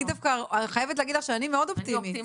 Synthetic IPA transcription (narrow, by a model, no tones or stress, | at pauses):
d̪afkaχajevet̪leaɡidlaχʃeanimeo̞dopt̪imi